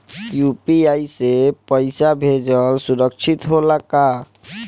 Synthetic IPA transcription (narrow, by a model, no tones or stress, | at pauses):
jupiaisepəɪsabʱed͡ʒəlsʊɾəkʃʰit̪ɦolaka